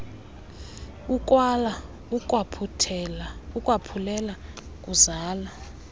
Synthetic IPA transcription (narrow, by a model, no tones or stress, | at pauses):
uk̬ʼwala | ukʼwapʰutʰɛlaukʼwapʰulɛla | kʼuzaːla